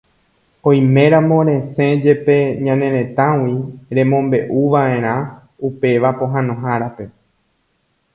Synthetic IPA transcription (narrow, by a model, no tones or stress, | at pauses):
õj̃mẽ̞ɾãmõ̞ɾẽ̞sẽ̞d͡ʒe̞pe̞ɲãnẽ̞ɾẽ̞t̪ãwiɾẽ̞mõ̞mbe̞ʔuʋaʔẽ̞ɾ̃ã | upe̞ʋapõ̞ɦãnõ̞ɦaɾape̞